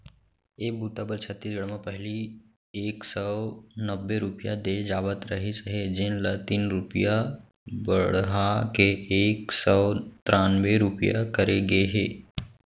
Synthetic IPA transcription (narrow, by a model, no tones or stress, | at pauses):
eːk̚buːt̪abəɾt͡ʃʰət̪ːiɡəɽmãpɛɦli | eːksɔnəbːeɾʊpjad̪ed͡ʒaːbət̪ɾɐɦesəɦed͡ʒɪnlət̪iːnɾʊpja | bəɽɦakeʔeːksɔt̪ɾaːnweɾʊpija̰kəɾeɡəeɦeː